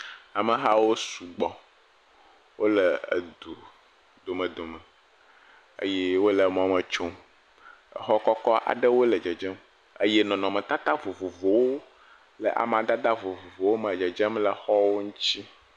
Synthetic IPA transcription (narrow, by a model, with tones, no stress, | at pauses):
a˨mə˨ɦa˦wo˦su˨ɡ͡bɔ˨ | wo˦lə˨ə̰˨d̪u˨ | d̪o˨mə̃˨d̪o˨mə˨ | ə̰˦jɛ˦wo˦lə˨m̃˦˨˦mə̃˨t͡ʃo˦ | ə̰˨xɔ˦kɔ˦kɔ˦ʔa̰˨ɖə˦wo˦lə˨d͡ʒɛ˨d͡ʒɛ˦m | ə˦jɛ˦nɔ̃˨nɔ̃˨mə̃˨t̪a˦t̪a˦vo˨vo˨vo˨wo˦ | lə˨ʔa̰˨m˨ã˨d̪a˦d̪a˦vo˨vo˨vo˨wo˦mə̃˨d͡ʒɛ˨d͡ʒə˦mlə˨xɔ˦wo˦ŋũ˦t͡ɕi˦